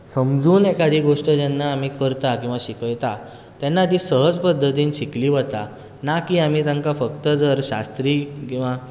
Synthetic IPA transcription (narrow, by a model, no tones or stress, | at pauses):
səmd͡zuːnekad̪ʱiːɡoʂʈəd͡ʑɛnːaːm̤iːkəɾt̪akĩw̃ʋaɕikəjt̪a | t̪janːat̪̬iːsəɦəd͡zpəd̪ʱːət̪iːnɕikliːʋət̪a | nakiam̤iːt̪jaŋkafəkt̪əd͡zəɾɕa̰st̪ɾiːkĩw̃ʋa